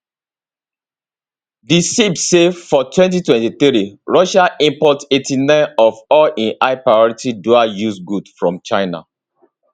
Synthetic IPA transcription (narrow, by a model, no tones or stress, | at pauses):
disibsevfɔtwɛ̃nt̬itwɛ̃ntiθɾiɹɔʃaʔĩmpɔtetʰinãɪnɔvɔlĩnʔaɪpɹaɪɔɹitiduajusɡudfɹɔ̃mt͡ʃaɪna̰